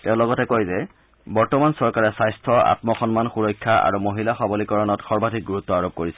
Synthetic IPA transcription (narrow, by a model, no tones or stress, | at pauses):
tɛʊ̃lɔɡɔtɛkojzɛ | bɔɹtɔmansɔɹkaɹɛsajstʰɔa̰tmɔxɔnmanxuɹɔjkʰːaa̰ɹumoɦilaxɔbɔlikɔɹɔnɔtxɔɹbadʱik̚ɡuɹutːɔaɹob̚koɹisɛ